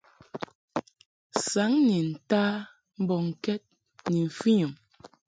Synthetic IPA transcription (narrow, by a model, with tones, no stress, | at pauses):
sa˨˦ŋni˨n̩˨taː˦ | m̩˦bɔ˨ŋ̩˨kɛ˦t̚ | ni˨ɱ̩˨fi˦ɲə˨m